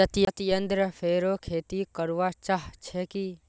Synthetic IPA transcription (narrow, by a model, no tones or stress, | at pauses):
ɐt̪iɐt̪ijənd̪ɾəfʰeːɾokʰeːt̪ikəɾʋat͡ʃaɦt͡ʃʰɛki